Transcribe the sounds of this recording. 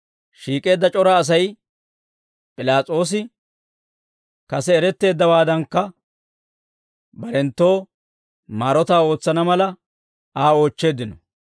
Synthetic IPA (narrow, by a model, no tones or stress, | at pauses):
ʃiːkʼe̞ːd̪ːɐt͡ʃʼɔɾɐːs̬ɐj | pʼɪlaːt͡sʼo̞ːs̬ɪ | kɐsɛːɾɛt̪ːe̞ːd̪ːɐwaːd̪ɐŋkːɐ | bɐɾɛnt̪ːo̞ː | maːɾɔt̪aːo̞ːt͡sːɐnɐmɐlɐ | aːo̞ːt͡ʃːe̞ːd̪ːɪnɔ